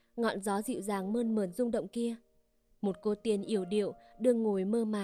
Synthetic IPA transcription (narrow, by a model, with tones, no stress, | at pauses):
ŋɔ̰˧˨nzɔ˨˦zḭ˧˨wzaː˨˩ŋməː˧nməː˨˩nzʊ˧ŋ͡mɗə̰˧˨wŋ͡mki˧ə | mo˨˩t̚ko˧t̪i˧˩ənʔi˧˩əwɗḭ˧˨əwɗɨ˧əŋːo˨˩jməː˧maː˨˩